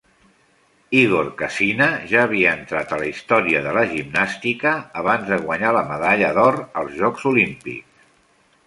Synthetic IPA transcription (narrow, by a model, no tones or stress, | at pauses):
iɣorkəsinəʒaəβ̞iəːnt̪ɾat̪ələist̪ɔɾiəðələʒimnast̪ikəːβanzðəɣwəɲaləməðaʎəðɔrəlˠzʒɔkzulimpḭks